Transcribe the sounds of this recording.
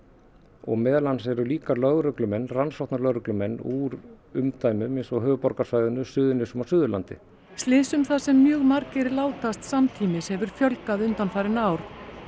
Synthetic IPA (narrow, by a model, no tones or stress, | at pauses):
ɔ̰ɣmɛːðlansɛɾʏliːkalœɣɾʏklʏmɛnːransɔwht̪nalœɣɾʏklʏmɛnːuːɾ | ʏmt̪ʰaːjmʏmɪnsɔɣɦœːvʏpɔɾkasvaːjðʏnʏsʏːðʏnɪsʏmasʏːðʏlant̪ɪ̰ | st̪lɪːsʏmθasɛmːjœːɣmaɾcɛɾɪlaːwt̪ast̪samt̪ʰiːmɪshɛvʏɾ̥fjœlkaðʏnt̪anfajɾɪnaːwɾ̥